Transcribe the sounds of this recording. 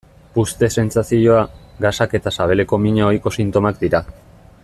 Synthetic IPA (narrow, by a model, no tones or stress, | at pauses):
pust̪e̞se̞nsasio̞aɡasake̞t̪asaβ̞e̞le̞ko̞miɲao̞jko̞sint̪o̞makd̪iɾa